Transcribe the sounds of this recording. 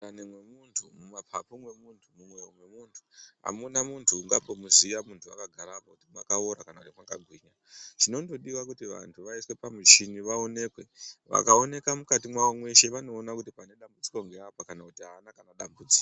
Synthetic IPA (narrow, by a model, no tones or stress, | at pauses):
anemwemuntʰumumapʰapumwe̞muntʰumumwewomwe̞muntʰu̥ɦa̰munamuntʰuːŋɡapo̞muzijamuntʰua̰kaɡʱaɾapakutimwakaoɾakanautimwaŋɡaɡʱwiːɲa | t͡ʃino̞ndo̞ɗiwakutiʋa̰ntʰuʋaiswe̞pamit͡ʃiniʋaone̞ːkwe̞ʋa̰kao̞ne̞kamukatimwawamwe̞ʃe̞ʋano̞ːnakutipane̞ɗambud͡zi̥ko̞ŋɡe̞apakanakutiɦaːnakanaɗambud͡zi̥ko